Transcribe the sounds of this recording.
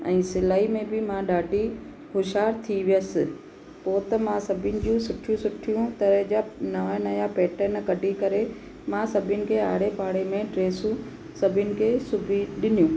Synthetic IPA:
ɛ̰̃ːsɪlaːimẽbɪmãɗaːɖʱi | hʊʃaːɾt̪ʰiʋijəsɪ̆ | poːt̪ɐmãsɐbʱɪnɪ̆d͡ʑũsʊʈʰijũsʊʈʰijũt̪ɐɾəɦd͡ʑanɐʋanɐjapɛːʈəɾnkɐɖʱikɐɾe | mãsɐbʱɪjʊnɪ̆kʰeːa̰ːɽepaːɽemẽɖɾeːsũ | sɐbʱɪʊnɪ̆kʰeːsʊbʱiɗɪnijũː

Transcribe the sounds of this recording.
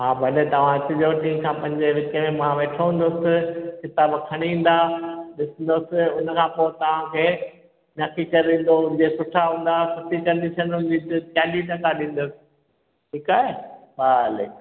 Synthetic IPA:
ɦaːbʱɐlet̪ɐʋ̤ãt͡ɕɪʄoʈĩːmkʰãːpɐ̃ɦɪ̃ɲd͡ʑeʋɪkemẽmãʋeːʈʰoɦũːnd̪osɪ̆xɪt̪aːbkʰɐɽ̃iĩːn̆d̪aɗɪsə̃nd̪osɪʊnəkʰãːpoːɪt̪ɐʋ̤ãkʰeː | nɐkikɐɾĩːn̆d̪oʊnd͡ʑesʊʈʰaɦũːn̆d̪apʊt̪ikɐ̃ɾnd̪it͡ɕʰɐnɦʊ̃nd͡ʑit̪t̪aːliʈɐkʰaɗĩːn̆d̪osɪ̥̆ | ʈʰiːkaːɦeʋaːlḛːk

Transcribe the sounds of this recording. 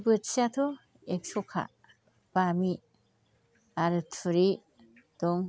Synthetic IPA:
bɯtsatʰɔ | ek̚sɔkʰa̰ | b̥ami | aɾɯtʰuɾi | d̥ɔŋ

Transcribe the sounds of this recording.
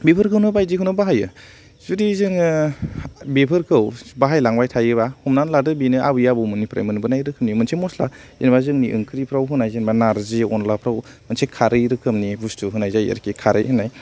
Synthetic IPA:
bepʰɯɾkʰɯwnɯbajzikʰɦɯnɯbaɦajɯ | z̥udizɯŋɯ | bepʰɯɾkʰɯwbaɦajlaŋbajtʰajɯβahumnanladɯbinɯʔabɯjabɯmunipɾa̰jmɯnbɯnajɾɯkʰɯmnimɯnsʰemɔsla̰ | enbazɯŋniʔɯ̰ŋkʰɯɾipʰɾawɦɯnajzenbanaɾziɔnlapʰɾawmɯnsekʰaɾɯjɾɯkʰɯmnibustuɦɯnajzajə̰ɾkikʰaɾɯ̰jhɯnaj

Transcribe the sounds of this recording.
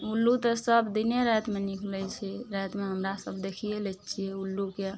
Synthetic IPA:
ulːut̪ɔsəbd̪ineɾɛt̪menikʰlɛt͡ʃʰɛɾɛjt̪meɦəmɾasəbd̪ekʰijelɛt͡ʃʰijɛulːuke

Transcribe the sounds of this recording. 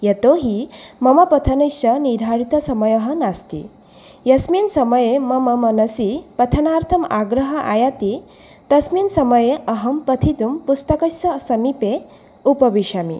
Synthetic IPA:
jet̪oɦimɐmɐpɐt̪ʰɐnɐjʃɐnid̪ʱaɽit̪ɐsɐmɐjɐɦɐnast̪ḭ | jɐsminsɐmɐjemɐmɐmɐnɐsipɐt̪ʰɐnaːɾt̪ʰɐmaɡɾɐɦɐʔa̰jat̪i | t̪ɐsminsɐmɐjeɐɦɐmpɐt̪ʰit̪umpust̪ɐkɐsɐsɐmipe | upɐʋiʂamḭ

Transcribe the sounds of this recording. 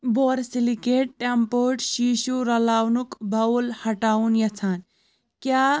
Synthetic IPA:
boɾsilikeʈ̚ʈampoʈʃiʃuɾɐlawnukbaulhɐʈaunjɐt͡sʰan | kja

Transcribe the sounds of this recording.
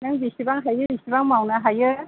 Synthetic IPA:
naŋbisibaŋɦajɯbisibaŋmawnaɦajɯ

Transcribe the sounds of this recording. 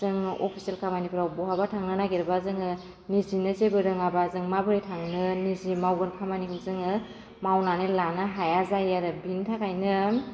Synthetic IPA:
zɯŋɔ̰pʰi̥selkʰamanipʰɯɾawbɔɦabatʰaŋnɯnaɡiɾɯbazɯŋɯ | nizinɯzebɯɾɯŋabazɯŋmabɯɾitʰaŋnɯnizimawɡɯnkʰamanikʰɯmzɯŋɯ | mawnanelanɯɦajazajaɾɯbintʰakajnɯ

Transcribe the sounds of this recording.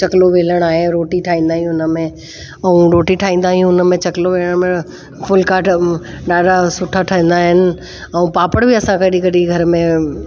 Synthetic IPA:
t͡ʃɐkloʋeːləɽ̃aːɦeɾoːʈiʈʰaːĩːn̆d̪aːɦijũʊnəmẽ | ɐũɾoːʈiʈʰaːĩːnd̪aːɦijũʊnəmẽt͡ɕɐkloʋeːləɽ̃mẽ | fʰʊlkaːʈʰɖaːɖasʊʈʰːaʈʰaɦĩːn̆d̪aːɦɪnɪ̆ | ɐũpaːpəɽ̃bʱiɐsãkəɗikɐɽiɡʱɐɾmẽ

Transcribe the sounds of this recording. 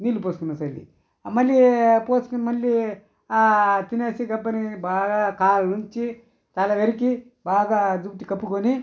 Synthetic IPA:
niːlupoːskunːɐsɐlːḭ | mɐlːipoːskunmɐlːi | at̪ineːsiɡɐbːɐnibaːɡakaːlɐnuɲt͡ʃi | t̪ɐlɐʋeɾik̬i | baːɡad͡ʒubʈ̪ikɐpːukoni

